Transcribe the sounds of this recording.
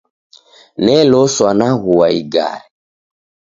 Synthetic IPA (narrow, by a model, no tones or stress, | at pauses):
nɛlɔswanaɣuwaḭɡa̰ɾɛ